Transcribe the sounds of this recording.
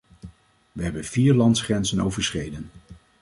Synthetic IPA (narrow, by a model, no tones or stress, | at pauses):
ʋəɦɛbənv̥iːɹlɑntsχrɛnzənowvəɹsχejdən